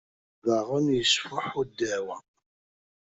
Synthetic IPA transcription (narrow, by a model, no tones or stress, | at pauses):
ðəʁənjəsfʊħud̪ːæwæ